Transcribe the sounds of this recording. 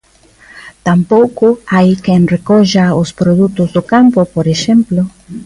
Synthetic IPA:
t̪ãmpowkʊajkẽŋrekoʒaospɾoðut̪ʊzd̪okãmpopoɾeʃẽmplo

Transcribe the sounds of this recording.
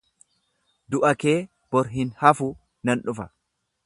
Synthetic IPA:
d̪ʊʔɐke̞ː | b̥ɔɾɦɪnhɐfʊ | nɐnᶑʊfɐ

